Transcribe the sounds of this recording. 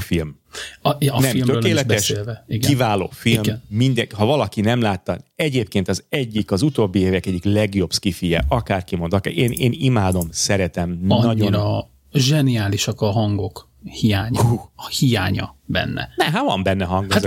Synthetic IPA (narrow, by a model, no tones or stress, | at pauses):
film | nɛmløkeːlɛt̪ɛsʃːlvɛiɡkivaːlo̰ːfilmnːind̪ɛhɒvɒlɒkinɛmlaːt̪ːɒɛɟeːp̚keːnt̪ɒzɛɟːikɒzut̪oːbːieːvɛkɛɟːiklɛɡjo̞b̥skifijɛ̰ʔɒkaːrkimo̞nd̪ɒkeːnḛːnimaːd̪o̞msɛɾɛt̪ɛmɒon | ʒɛnijaːliʃɒkɒɦɒŋɡo̞k | hijaːɲɒhijaːɲɒ̰bɛ̰nːɛ̰nɛɦat̪vɒ̰mbɛnːɛɦɒŋɡaz